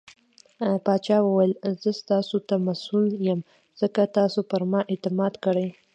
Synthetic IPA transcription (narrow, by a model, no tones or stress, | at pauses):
pɑt͡ʃɑwəwajəlzəst̪ɑsot̪amasʊljəm | z̥əkat̪ɑsopəɾmɑʔet̪ɪmɑd̪kəɽəj